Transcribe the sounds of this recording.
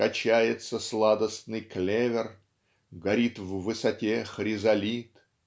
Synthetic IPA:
ɐt͡ɕæjɪt̪səslˠad̪əsnɨjklʲevʲɪr | ɡɐɾʲit̪vːɨsɐtʲexɾʲɪzɐlʲit̪

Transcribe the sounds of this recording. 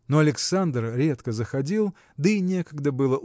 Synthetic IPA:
noɐlʲɪksand̪rɾʲe̞t̪kəzəxɐdʲilˠ | d̪əinʲe̞kəɡd̪əbɨlˠəʔ

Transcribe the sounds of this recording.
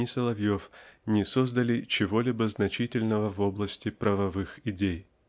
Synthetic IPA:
ɪsəlˠɐvjofnʲɪsozd̪əlʲɪt͡ɕɪvo̞lʲibəznɐt͡ɕitʲɪlʲnəvəvoblˠəsʲtʲɪpɾəvɐvɨxɪdʲej

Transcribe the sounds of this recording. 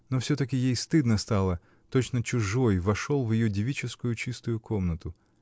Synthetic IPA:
no̞fsʲot̪əkʲɪjejst̪ɨd̪nəst̪ɑlˠə | t̪o̞t͡ɕnət͡ɕʊʐojvɐʂo̞lˠvjɪjodʲɪvʲit͡ɕɪskʊjʊt͡ɕist̪ʊjʊkʰo̞mnət̪ʊ

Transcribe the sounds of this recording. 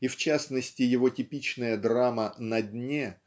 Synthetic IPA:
ift͡ɕasnəsʲtʲɪjɪvo̞tʲɪpʲit͡ɕnəjəd̪ramənɐdʲnʲe

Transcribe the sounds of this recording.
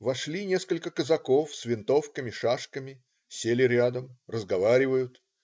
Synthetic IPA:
vɐʂlʲinʲe̞skəlʲkəkəzɐko̞fsvʲɪnt̪o̞fkəmʲɪʂaʂkəmʲɪ | sʲelʲɪɾʲad̪əmrəzɡɐvaɾʲɪvəjʊt̪

